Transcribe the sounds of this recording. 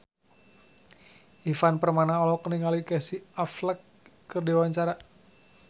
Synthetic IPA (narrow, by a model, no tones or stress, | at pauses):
ʔifanpərmanaɔlɔkəniŋalikɛsiafləkː | ərdiwaɲt͡ʃaɾa